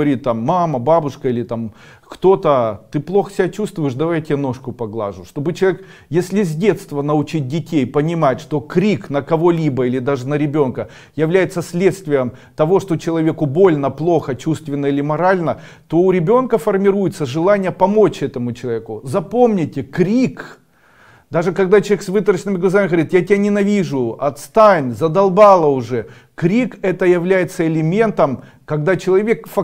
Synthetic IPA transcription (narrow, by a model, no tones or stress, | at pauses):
ɐɾʲit̪̚t̪ːamːaməbabʊʂkəilʲɪt̪am | kt̪o̞t̪ət̪ɨplˠo̞xsʲɪbʲat͡ɕust̪vʊjɪʂd̪ɐvajtʲɪjano̞ʂkʊpɐɡlˠa̰ʐʊʂt̪o̞bɨt͡ɕɪlˠʲek | jesʲlʲɪzʲdʲe̞t̪st̪vənɐʊt͡ɕit̚ʲdʲɪtʲejpənʲɪmatʲʂt̪o̞kɾʲiknəkɐvo̞lʲibəilʲɪd̪aʐɨnəɾʲɪbʲo̞nkə | jɪvlʲæjɪt̪səsʲlʲe̞t̪st̪vʲɪjəm | t̪ɐvo̞ʂt̪ot͡ɕɪlˠɐvʲe̞kʊbo̞lʲnəplˠo̞xət͡ɕust̪vʲɪnːəilʲɪmɐɾalʲnə | t̪o̞ʊɾʲɪbʲo̞nkəfərmʲɪɾujɪt̪səʐɨlˠanʲɪjəpɐmo̞t͡ɕɛt̪əmʊt͡ɕɪlˠɐvʲekʊzɐpomnʲɪtʲɪkɾʲik | d̪aʐɨkɐɡd̪at͡ɕɪlˠʲeksvɨt̪əɾəɕɪnɨmʲɪɡlˠɐzamʲɪɣəɐɾʲit̪jatʲɪanʲɪnɐvʲiʐʊɐt̪st̪anʲzɐd̪ɐlˠbalˠəʊʐɛ | kɾʲikɛt̪əjɪvlʲæjɪt̪səɪlʲɪmʲe̞nt̪əm | kɐɡd̪at͡ɕɪlˠɐvʲe̞kfɐ